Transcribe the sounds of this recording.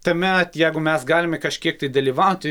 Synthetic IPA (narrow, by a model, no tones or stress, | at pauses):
t̪ɐmʲɛt̪jɛɪɡʊmʲɛsɡɑːlʲɪmʲɛkɐʃʲkʲiɛk̚t̪ɐɪd̪ɐlʲiːʋɐʊt̪ʲ